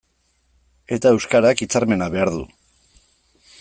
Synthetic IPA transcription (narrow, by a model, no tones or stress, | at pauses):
e̞t̪ae̞wskaɾakit͡saɾme̞naβe̞aɾðṵ